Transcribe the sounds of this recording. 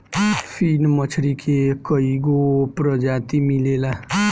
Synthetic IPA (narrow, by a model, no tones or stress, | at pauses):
pʰinmət͡ʃʰɾikʰekəiɡopɾəd͡ʒat̪imilela